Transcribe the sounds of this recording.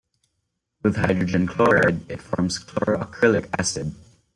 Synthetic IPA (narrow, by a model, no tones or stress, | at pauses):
wɨð̥haɪdɹɨd͡ʒɨ̃nkʰl̥ɔɹɛdɨtfɔɹmz̥kʰl̥ɔɹəkʰɹ̥ɪlˠɪkæ̰sɨd̥̚